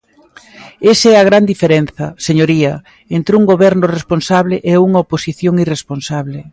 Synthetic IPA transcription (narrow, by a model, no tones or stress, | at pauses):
esɛɐɣ̞ɾand̪ifeɾenθɐseɲoɾiɐ | ent̪ɾuŋɡoβɛɾnʊresponsaβleʔeuŋɐoposiθjoŋiresponsaβle